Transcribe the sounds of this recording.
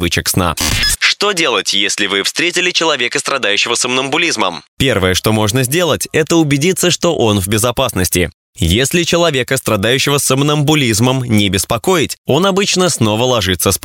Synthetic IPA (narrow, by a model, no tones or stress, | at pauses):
vɨt͡ɕɪksna̰ʂt̪o̞dʲe̞lˠətʲjesʲlʲɪvɨfst̪ɾʲetʲɪlʲɪt͡ɕɪlˠɐvʲe̞kəst̪ɾɐd̪ajʉɕːɪvəsəmnəmbʊlʲizməmpʲe̞rvəjəʂt̪o̞mo̞ʐnəzʲdʲe̞lˠətʲɛt̪əʊbʲɪdʲit̪sːəʂt̪o̞ʔonvʲbʲɪzɐpasnəsʲtʲɪ̰ | jesʲlʲɪt͡ɕɪlˠɐvʲe̞kəst̪ɾɐd̪ajʉɕːɪvəsəmnəmbʊlʲizməmnʲɪbʲɪspɐko̞ɪtʲo̞nɐbɨt͡ɕnəsno̞vəlˠɐʐɨt̪səsp